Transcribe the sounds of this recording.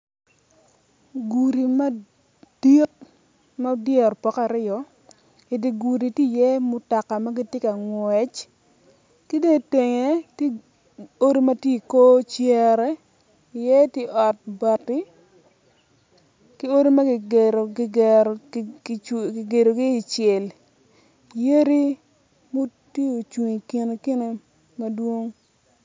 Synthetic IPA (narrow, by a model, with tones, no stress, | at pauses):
ɡu˨ɾi˨ma˦ | d̥i˦t̚ | ma˦djɛ˦˨ɾpɔ˨ka˨ɾɪ˦ɔ˨ | i˨di˨ɡu˨ɾi˨tji˦˨jɛ˦mʊ˨˦ta˨ka˨ma˦ɡi˦tje˦ka˨ŋwɛ˨t͡ʃ | ki˦de˦˨te˨ŋe˨t | o˦ɾi˦ma˦tji˦i˨ko˦t͡ʃɛ˦˨ɾɛ˦ | i˨jɛ˦tje˦ʔɔ˨t̚bɔ˨tːi˦ | ki˦o˦ɾi˦ma˦ɡɪ˨ɡe˨ɾo˨ɡɡ | ki˨ɡe˨ɾo˨ɡiː˦˨t͡ʃɛ˨l | je˦ɾi˦ | mo˦te˦o˨t͡ʃwi˨ŋi˨ki˨n˨ke˦ne˨ | mɐ˦dwo˦ŋ